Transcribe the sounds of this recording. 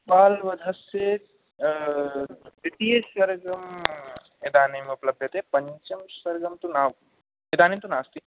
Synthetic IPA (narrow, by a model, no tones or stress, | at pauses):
paːlʋɐd̪ʱɐse | piʈiesɐɾɡɐm | ed̪aːnimẽuplɐb̚d̪ʱit̪ɦepɐɲt͡ʃɐmsɐɾɡɐmt̪unaːʋ | ed̪aːnimt̪unaːst̪i